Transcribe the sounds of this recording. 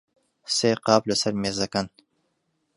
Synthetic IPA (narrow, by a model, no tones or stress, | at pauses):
seːqɑːplɐsɐɾmezɐkan